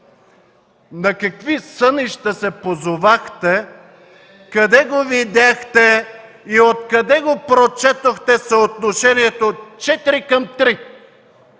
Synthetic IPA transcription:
nɐkɐkvisəniʃt̪ɐsɛpozovaxt̪ɛ | kɐd̪ɛɡovid̪ʲaxt̪ɛ | iot̪kɐd̪ɛɡopɾot͡ʃɛt̪oxt̪ɛsɐot̪noʃɛniɛt̪ot͡ʃɛt̪iɾikɐmt̪ɾi

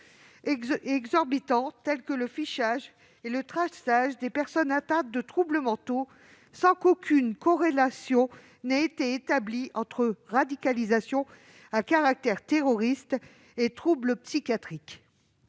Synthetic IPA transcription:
ɛɡzɔʁbit̪ɑ̃t̪ɛlkələfiʃaʒ | elət̪χasaʒd̪epɛʁsɔnat̪ad̪̚ːət̪χubləmɑ̃t̪o | sɑ̃kokʲʰynkɔ̃ʁelasjɔ̃ | nɛet̪eet̪abliɑ̃t̪χəʁad̪ikalizasjɔ̃ | akaʁak̚t̪ɛʁt̪eʁɔʁist̪ | et̪χubləpsikʲjat̪χik

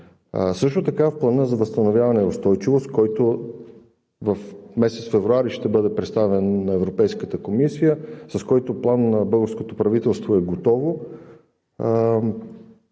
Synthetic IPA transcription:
sɤʃt̪ʊt̪ɐkafplˠɐnəzɐvəst̪ɐnovʲjavɐnɛʊst̪ɔjt͡ʃivost̪kɔjt̪o | vɐfmɛsɛt̪sfɛvɾuaɾiʃt̪ɛbɤd̪ɛpɾɛt̪st̪avɛnːɐɛvɾopɛjskət̪əkomisijəsɐskɔjt̪oplˠanːɐbɤlˠɡəɾskot̪opɾɐvit̪ɛlˠst̪voɛɡot̪ɔvo

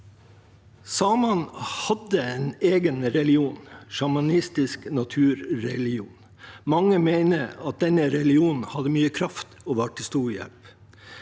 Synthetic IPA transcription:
sɑːmɑnhɑd̪əeːneːɡənɾɛlɪuːnʃɑmɑnɪst̪ɪsknɑt̪ʰʉːɾɾɛlɪṵːn | mɑŋəmeɪnəɑt̪̚d̪ɛnəɾɛlɪuːnn̩hɑd̪əmyːəkʰɾɑft̪oːʋɑːʈʰɪst̪uːɾjɛ̰lp

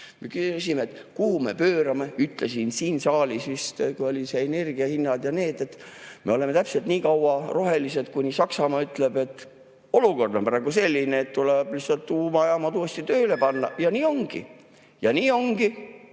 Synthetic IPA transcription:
me̞kyys̬imeet̪kuhume̞̰pøːɾɑme̞yt̪ˑle̞sinsiːnsɑːlisʋist̪kujo̞lʲiseene̞rɡ̥iɑhinːɑd̪jɑne̞ːd̪̥e̞t̪ːme̞o̞le̞me̞t̪æpse̞lt̪niːkɑwɑro̞ɦe̞lise̞d̪kunʲisɑksɑmɑːyt̪ˑle̞be̞t̪ːˑ | o̞luko̞rd̪o̞nmpɑɾɑɡ̥use̞lʲːineːt̪t̪uleb̥lihsɑlt̪tːuːmɑjɑmɑt̪uːest̪it̪øːle̞pɑnːɑjɑniːo̞ŋɡ̥ḭ | jɑniːo̞ŋɡ̥i

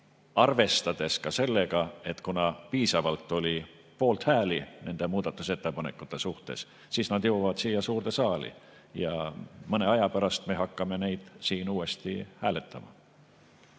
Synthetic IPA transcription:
ɑrve̞st̪ɑd̪̥e̞skɑse̞lːe̞ɡɑe̞t̪ːkunɑpiːsɑvɑlt̪ːˑo̞lʲi | po̞ːlt̪hæːline̞nd̪emuːd̪̥ɑt̪ːˑuse̞t̪ːe̞pɑne̞kːˑut̪ːˑe̞suht̪e̞̰s | siːsnɑd̪̥jɤwɑvɑd̪siːjːɑsuːrt̪e̞sɑːlḭ | jɑ̰mɤne̞ɑjɑpæɾɑst̪me̞ɦɑkːɑme̞ne̞jd̪̥siːnuːe̞st̪ihæːle̞t̪ʰːˑɑmɑ̰

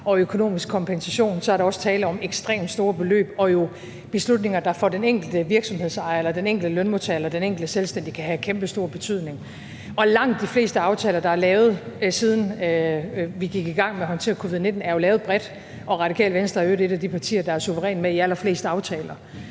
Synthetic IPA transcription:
ʔɒ̽økʰo̝no̝̰ːmisɡ̥̚kʰɒ̽mpʰensæɕo̝̰ːnsɒæɐɾ̥ɑɒ̽sə̥t͡sʰɛːləɒ̽meɡ̥sd̥ʁḛːmd̥sd̥o̝ːɐb̥e̝lø̰ːb̥ɒ̽jo̝ | b̥e̝slud̥ne̝ŋɐd̥ɑ̈fɒd̥eneŋ̰ɡ̥l̩d̥əʋiɐɡ̥sɒ̽mhe̝ð̞̰ˠsɑ̈ɪɐelɐd̥eneŋ̰ɡ̥l̩d̥əlønmo̝t͡sʰælɐd̥eneŋ̰ɡ̥l̩d̥əselsd̥en̰d̥ikʰæɦækʰemb̥əsd̥o̝ːɐb̥e̝t͡sʰyð̞̰ˠne̝ŋ | ʔɒ̽lɑ̈ŋ̰d̥ːifle̝̰ːsd̥əɑ̈ʊt͡sʰɛːlɐd̥ɑ̈æɐlɛːʊð̞̩ˠsiːð̞ˠn̩ | ʋiɡ̥iɡ̥iɡ̥ɑ̈ŋ̰meɐɦɒ̽nt͡sʰe̝ːɐkʰo̝ʋið̩̰ˠne̝d̥n̩æɐjo̝lɛːʊð̩ˠb̥ʁɛd̥ | ʔɒ̽ʁɑ̈d̥ikʰɛ̰ːlʋensd̥ɐøɾe̝ɾ̥æd̥ipʰɑ̈t͡sʰḭːɐd̥ɑ̈æɐsuʋəʁɛ̰ːnmeiælɐfle̝̰ːsd̥əɑ̈ʊt͡sʰɛːlɐ

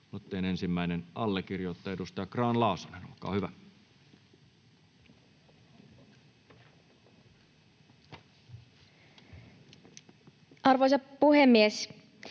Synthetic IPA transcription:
mut̪ːeine̞nsimːæinenɑlːekirjot̪ːɑedust̪ɑjɑkrɑːnlɑˑusɑnenṵˑkːˑɑ̰ːhyʋæ | ʔɑrʋojsɑpuhemːies

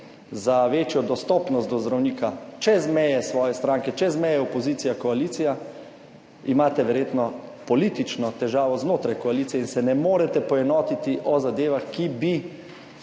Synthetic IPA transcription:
zaʋeːt͡ʃjɔd̪ɔst̪ɔːpnɔst̪d̪ɔzd̪ɾawniːkat͡ʃɛzmɛjɛsʋɔːjɛst̪ɾaːŋkɛt͡ʃɛzmɛjɛɔpɔziːt̪sijakɔaliːt̪sija | imaːt̪ɛʋɛɾjeːt̪nɔpɔliːt̪it͡ʃnɔt̪ɛʒaːʋɔznoːt̪ɾajkɔaliːt̪sijɛinsɛnɛmoːɾɛt̪ɛpɔɛnɔːt̪it̪iʔɔzad̪eːʋaxkibi

